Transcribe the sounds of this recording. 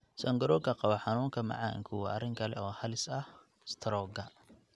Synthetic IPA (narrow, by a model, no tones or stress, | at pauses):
sɔŋɡɐɾɔːɡɐqɑβɐħɑnuːŋkʰɐmɐ̰ʕa̰ːŋkʰuwɐʔɐrɪŋkʰɐlɛ̰ɔːhɐlɪsɐh | st̪ʰɐɾɔːɡɐ